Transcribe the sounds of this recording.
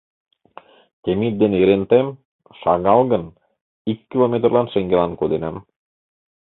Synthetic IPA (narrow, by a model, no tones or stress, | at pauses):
t̪ʲemit̪̚d̪eneɾent̪em | ʃɑɣɑlˠɣɤ̆n | ikːilˠomʲet̪rlˠɑnʃeŋɡelɑnkod̪enæm